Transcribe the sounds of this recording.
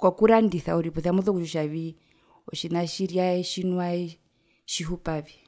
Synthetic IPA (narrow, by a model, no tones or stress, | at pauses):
kwakuɾandiθauɾipɔθiamuðɔkuʃuʃaβi | ɔʃinaʃiɾiaɛʃinwaɛ | ʃiɦupaβi